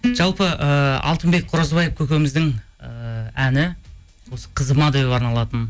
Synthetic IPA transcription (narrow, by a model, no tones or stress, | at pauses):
ʒ̥ɑlˠpəəɑ̰lˠt̪əmbe̞k̚qʰʊɾɑzbɑjəpkʲʰɵkʲemɪzd̪ɪŋ | ænɪ | wo̞sə̥qʰəzəmɑd̪ewepɑɾnɑlˠɑt̪ən